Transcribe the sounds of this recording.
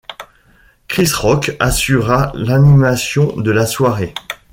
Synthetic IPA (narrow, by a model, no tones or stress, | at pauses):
kχisʁɔkasyʁalanimasjɔ̃d̪əlaswaʁe